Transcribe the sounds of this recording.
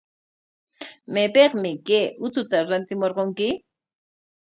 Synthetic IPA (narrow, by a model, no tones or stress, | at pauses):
mejpeqmɪkeːʔʊt͡sʊt̪aɾant̪ɪmoɾqoŋkɪ